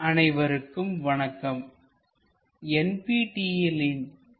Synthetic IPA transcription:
ʔɐnɐɪʋɐɾɯkːɯmʋɐɳɐkːɐm | ɛnpiːʈiːɛlɪn

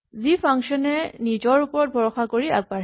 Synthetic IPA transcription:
zipʰaŋʃɔnɛnizɔɹupɔɹɔt̚bʱɔɹɔxakoɹia̰ɡ̚baɹ

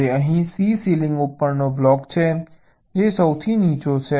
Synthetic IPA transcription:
eəɦĩsisilɪ̃ŋɡupːəɾnoblɔkt͡ʃʰe | d͡ʒesəwt̪ʰinit͡ʃot͡ʃʰe

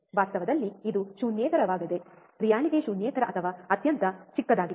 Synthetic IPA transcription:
ʋaːst̪ɐʋɐd̪ɐlːiːd̪uʃunjɛːt̪ɐɾɐʋaːɡɐd̪e | pɾijaːɳid̪eːʃunjɛːt̪ɐɾɐʔɐt̪ʰɐʋaːɐt̪jɐnt̪ɐt͡ʃikːɐd̪aːɡi

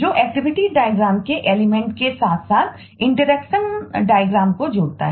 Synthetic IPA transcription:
d͡ʒoːʔɛːk̚ʈɪʋɪʈiɖaːjəɡɾaːmkeʔeːlɪmɛ̃ɳʈkesaːt̪ʰsaːt̪̚ʰ | ɪ̃ɳʈəɾɛkʃənɖaːjəɡɾãːm̚kod͡ʒoːɽt̪a̰ɦɛ

